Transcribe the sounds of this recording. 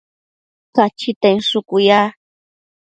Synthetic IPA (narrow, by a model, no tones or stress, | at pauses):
kat͡ʃɪt̪aŋʂʊkʊjaː